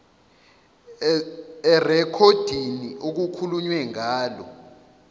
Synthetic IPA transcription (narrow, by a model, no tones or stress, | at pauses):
ɛrɛkʰod̥ʱiniʔok̬ukʰuluɲwɛŋaːlɔ̰